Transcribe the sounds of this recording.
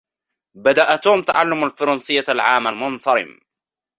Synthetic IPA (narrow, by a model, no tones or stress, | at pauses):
bad̪aʔat̪uːmt̪aʕalːʊmalfɑɾˤɑnsɪjːalʕaːmalmʊnt̪ɑɾɪ̰m